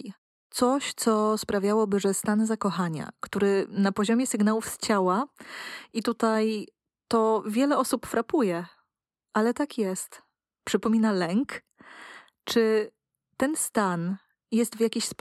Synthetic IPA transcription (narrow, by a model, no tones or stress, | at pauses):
t̪sɔɕt̪sɔspɾavʲjawɔbɘʐɛst̪anzakɔxaɲa̰kt̪uɾɘnapɔʑɔmʲjɛsɘɡnawufst͡ɕawa | ʔit̪ut̪aj | t̪ɔvʲjɛlɛɔsupfɾapujɛ | ʔalɛt̪akjɛst̪ | pʂɘpɔmʲinalɛŋk | t͡ʂɘ | t̪ɛnst̪an | jɛst̪vʲjakʲiɕsp